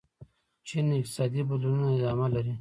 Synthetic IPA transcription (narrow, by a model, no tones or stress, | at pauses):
t͡ʃinɪq̚t̪ɪ̥sɑːd̪ibulununaɪd̪ɑːmalaɾi